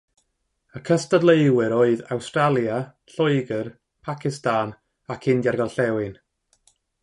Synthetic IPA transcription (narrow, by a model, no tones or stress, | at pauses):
əkʰəstadlˠeɨwɨɾoːɨðawstralˠjaɬɔɨɡər | pʰakʰɪstaːn | akʰɪndjarɡɔlˠɬɛwɪn